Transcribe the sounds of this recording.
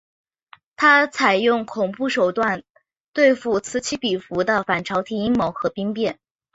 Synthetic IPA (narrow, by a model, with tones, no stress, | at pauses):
t̪ʰa˥t͡sʰa˨˩ɪjʊ˥˩ŋkʰʊ˨˩ŋpu˥˩ʂo˨˩ʊt̪wa˥˩n | t̪we˥˧ɪfu˥˩t͡sʰɹ̩˧˥t͡ɕʰi˥pi˨˩fu˧˥d̪ə˧fa˨˩nʈ͡ʂʰɑ˧˥ʊt̪ʰi˨˩i˥ŋmo˧˥ʊxɤ˧˥pi˥ŋpjɛ˥˩n